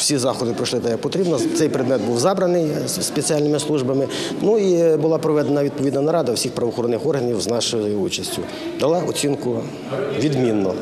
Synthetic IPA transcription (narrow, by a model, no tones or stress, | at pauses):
wsʲizɑxɔd̪ɪpɾɔʃlˠɪt̪ɐjɐk̚pɔt̪ɾʲibnɐt̪sɛjpɾɪd̪mɛd̪̚buwzɑbɾɐnɪj | spet͡sʲiɑlʲnɪmɪslˠuʒbɐmɪ | nuibʊlˠɑpɾɔʋɛd̪enɐʋʲid̪̚pɔʋʲid̪nɐnɐɾɑd̪ɐwsʲixpɾɐʋɔxɔɾɔnːɪxɔrɦɐnʲiwznɑʃɪjʊzjɔut͡ʃɐsʲtʲʊ | d̪ɐlˠɑʔɔt͡sʲinkʊ | ʋʲid̪mʲinːɔ